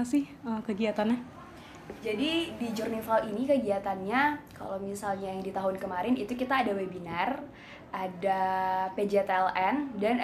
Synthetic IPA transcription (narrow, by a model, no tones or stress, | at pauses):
sɪhəkəɡiat̪ana | d͡ʒadidid͡ʒɔrnifalinikəɡiat̪anɲaka̰lowmisalɲajaŋdit̪aɦʊnkəmaɾɪnit̪ukit̪aːdawebinar | ʔadaped͡ʒet̪ɛlɛndan